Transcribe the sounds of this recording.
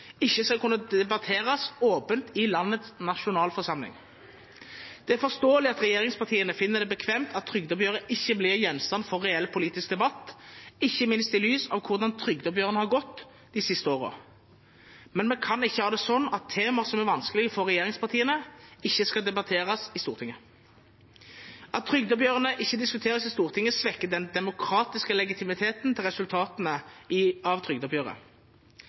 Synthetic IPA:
ɪçːəskɑlkʰʉnːəd̪ɛbɑt̪ʰeːʁɑsoːpənt̪ʰɪlɑnːət̪snɑʂʊnɑːlfɔʁsɑmlɪ̰ŋ | d̪̥ɛæɾfɔst̪oːəlɪɑt̪ɾɛjeːɾɪŋspɑʁt̪ʰiːənəfɪnːəd̪ɛbəkʰʋɛmt̪ʰɑt̪ʰːɾʏɡ̚d̪ɔbjøːʁəʔɪçːəblɪʁjɛnst̪ɑnfɔʁːɛɛlpʰʊliːt̪ɪskd̪ɛbɑt̪ːɪçːəmɪnst̪ɪlyːsɑʋkʰʊʁd̪ɑnt̪ʰɾʏɡd̪ɔbjøːʁənəhɑʁɡɔt̪ː | d̪̥ɪsɪst̪əoːʁə̰ | mɛnmɛkʰɑnɪçːəhɑːd̪ɛːsɔnːɑt̪ʰːeːməʁsɔmæʁʋɑnskəlɪɡəfɔʁʁɛjeːʁɪŋspʰɑʁt̪ʰiːənəɪçːəskɑd̪ɛbɑt̪ʰeːʁɑsɪst̪uːʁt̪ʰɪŋːə | ʔɑt̪̚ʰːɾʏɡd̪əbjøːʁənəʔɪçːəd̪ɪskʉt̪ʰeːʁəsɪst̪uːʁt̪ʰɪŋːəsʋɛkːəd̪ɛnd̪ɛmʊkʰɾɑːt̪ɪskəlɛɡɪt̪ʰɪmɪt̪ʰeːt̪nt̪ʰɪlʁɛsʉlt̪ʰɑːt̪nəɪɑʋt̪ʰʁʏɡd̪ɔbjøːʁə̰

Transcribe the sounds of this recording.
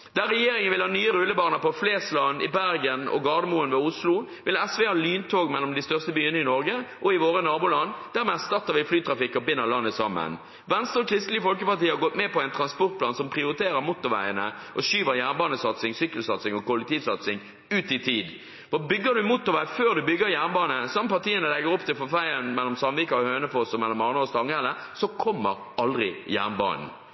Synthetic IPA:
d̪̥æɾɛjeːɾɪŋənʋɪlhɑːnyːəɾʉləbɑːʁnəpɔflɛːslɑnːɪ̰bæɾɡənɔ̰ɡɑːd̪əmuːənʋɛːʊslʊʋɪlɛsʋɛːhɑːlyːnt̪ʰoːɡmɛlːɔmd̪ɪst̪œʁst̪əbyːənəɪnɔɾɡəʔɔɪʋoːɾənɑːbʊːlɑnːd̪̥æːɾmɛːɑst̪ɑt̪ːəʁʋɪflyːt̪ʰɾɑfɪkːɔbɪnːəʁlɑnːəsɑmːə̰n | ʋɛnst̪əɔkʰɾɪst̪lɪɡəfɔlkəpɑʁt̪iːəhɑɡɔt̪mɛpɔɛɪnt̪ʰɾɑnspɔʁt̪̚pʰlɑːnsɔmpʰʁɪʊɾɪt̪ʰeːɾəɾmʊt̪ːʊʋæ̰ɪənə̰ | ʔɔʃyːʋəɾjæːʁnbɑːnəsɑt̪sɪŋsyːkəlsɑt̪sɪŋɔkʊlːɛk̚t̪ʰiːʋsɑt̪sɪŋ | ʉːt̪ɪt̪ʰiːd̪ | ʋɑːbʏɡːəd̪ʉmʊt̪ːʊɾʋæɪføːɾd̪ʉbʏɡːəɾjæʁnbɑːnəsɑmːəpɑʁt̪ʰiːənəlɛɡəɾɔpt̪ɪlfɔfæɪənmɛlːɔmsɑmʋikɑɔhøːnəfɔsɔmɛlːɔmɑʁnəɔst̪ɑŋɛlə | sɔkʰɔmːəɾ | ɑld̪ʁɪjæ̰ʁnbɑ̰ːnn̩

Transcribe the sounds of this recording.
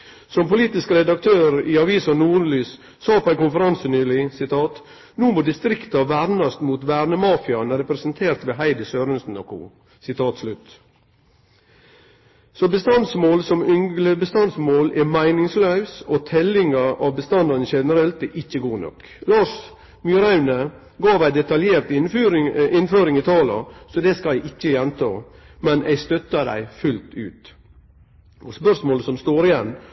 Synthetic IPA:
sɔmpʊliːt̪ɪskəɾɛd̪ɑk̚t̪ʰøːɾɪɑʋiːsɑnuːɾlyːs | sɑːpʰɔæɪkʊnfəɾɑnsənyːlɪsɪt̪ʰɑːt̪ | nuːmoːd̪ɪst̪ɾɪkt̪ɑʋæɾnɑst̪muːt̪ʋæːɾnəmɑːfɪɑnəɾɛpɾɛsənt̪ʰeːɾt̪ʋeːɦæɪd̪əsøːɾənsn̩ɔkṵ | sɪt̪ʰɑːt̪slʉt̪ː | sɔbəst̪ɑnsmoːlsɔmʏŋɡləbəst̪ɑnsmoːlɛmæɪnɪŋslœʉsɔt̪ʰɛlɪŋɑʔɑʋbəst̪ɑnd̪ɑnəʃɛnəɾɛlt̪ɛʔɪçːəɡuːnɔ̰k | lɑːʂ | mjyɾɑʉnə | ɡɑːʋæɪd̪ɛt̪ɑljeːɾt̪ː | ɪnføːɾɪŋɪt̪ʰɑːlɑ̰sɔd̪ɛskɑæɪʔɪc͡çːəjɛnt̪ʰɑ̰ː | mɛnʔæ̰ɪst̪œt̪ːəd̪æ̰ɪfʉlt̪ʉ̰ːt̪ | ʔɔspœʂmoːləsɔmst̪oːɾɪjɛnː

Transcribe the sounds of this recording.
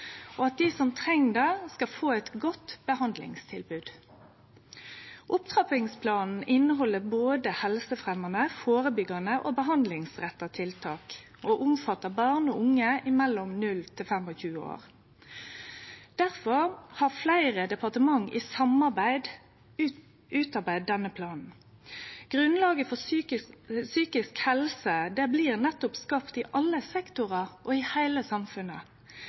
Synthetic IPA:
ʔoɑt̪̚d̪isɔmt̪ʰʁɛŋːd̪ɑskɑlfoːɛt̪ɡɔt̪b̥əhɑnd̪lɪ̰ŋst̪ʰɪlbʉːd̪̥ | ʔʊpt̪ʰʁɑpɪŋspʰlɑːnn̩ʔɪnːəɦɔlːəboːd̪əhɛlsəfʁɛmɑnəfoːʁəbʏɡɑnəʔoːbəɦɑnd̪lɪŋsʁɛt̪ːɑt̪ʰɪlt̪ʰɑːk | oːʔʊmfɑt̪ːəbɑːʁnɔʊŋːəɪmɛlːɔmnʉlt̪ʰɪlfɛmɔçʉːəo̰ːʁ | d̪̥æʁfɔʁhɑʁflæɪʁəd̪ɛpɑʁt̪əmɑŋːʔɪ̰sɑmɑʁbæɪd̪ | ʉːt̪ɑʁbæɪd̪ːɛnːəpʰlɑːnn̩ | ɡ̥ʁʉnlɑːɡəfɔ | syːkɪskhɛlsəd̪ɛbliːʁnɛt̪ːʊpskɑpt̪ɪʔɑlːəsɛkt̪ʊʁɑʔɔɪhæɪləsɑmfʉnə

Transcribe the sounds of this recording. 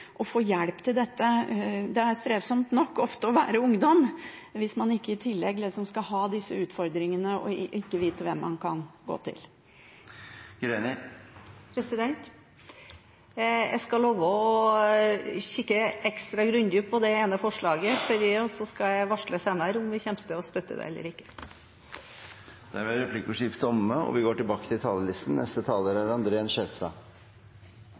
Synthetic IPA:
ʔɔfoːjæɽpt̪ʰɪld̪ɛt̪ːəd̪ɛæɾst̪ɾeːʋsɔmt̪nɔkːɔft̪əɔʋæːɾəʊŋd̪ɔm | ʋɪsmɑnɪkːəɪt̪ʰɪlːɛɡlɛsɔmskɑɦɑːd̪ɪsːəʉːt̪fɔɾd̪ɾɪŋənəɔ̰ɪkːəʋiːt̪əʋɛmːɑ̰nkʰɑ̰nɡo̰ːt̪ʰɪ̰l | ɡ̥ɾenɪ | pʰɾɛsɪd̪ɛnt̪ | jæ̰ɪskɑloːʋɔɔ | ɕɪkːəɛkst̪ɾɑɡɾʉnd̪jʉːpʰɔd̪ɛeːnəfɔʂɭɑːɡəfɔɾiːɔsɔskɑjæɪʋɑʂɭəseːnɑɾʊmʋɪçɛmst̪əɔst̪œt̪ːə̰d̪ɛ̰ɛlːə̰ɾɪkːə̥ | d̪̥æɾʋɛɾɛpʰlɪkʊʂɪft̪ɔməɔ̰ʋɪɡoːʈɪlbɑːkə̥t̪ʰɪlt̪ʰɑːləlɪst̪n̩nʔɛ̰st̪ət̪ʰɑːləɾæɾɑnd̪ɾəɛnʂɛɾst̪ɑ̰ː

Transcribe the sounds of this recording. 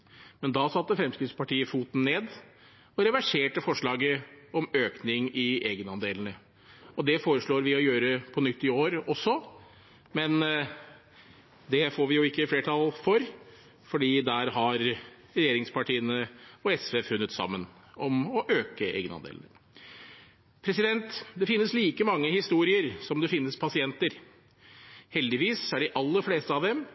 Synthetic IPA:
mɛnd̪ɑsɑt̪ːəfɾɛmskɾɪt̪spɑʈiːəfuːt̪n̩nːeːd̪ | ɔɾɛʋæʂeːʈəfɔʂɭɑːɡəɔmøːknɪŋɪʔeːɡənɑnd̪eːln̩ə | ɔd̪ɛfoːɾəʂɭoːɾʋɪɔjøːɾəpʰɔnʏt̪ːɪoːɾɔsːɔ | mɛn | d̪ɛfoːɾʋɪjʊɪkːəfleːʈʰɑlfɔɾ | fɔɖiːd̪æɾɦɑɾ | ɾɛjeːɾɪŋspʰɑʈʰiːənəɔɛsʋeːfʉnːət̪sɑ̰mːən | ɔmɔʔøːkəḛːɡənɑ̰nd̪ḛːlnə | pʰɾɛsɪd̪ɛnt̪d̪ɛfɪnːəsliːkəmɑŋːəhɪst̪uːɾɪəɾsɔmd̪ɛfɪnːəspʰɑsɪɛnt̪əɾ | hɛld̪ɪʋiːsæɖɪʔɑlːəɾfleːst̪əɑʋd̪ɛm

